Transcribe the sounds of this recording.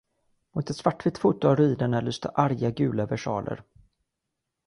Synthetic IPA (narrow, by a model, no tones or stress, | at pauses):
mʊt̪ɛt̪svaʈːvɪt̪fuːt̪ːʊaɾɵiːd̪əɳalʏːst̪ə̰ʔaɾjaɡʉ̟ːlavɛʂɑ̰ːlə̰ɾ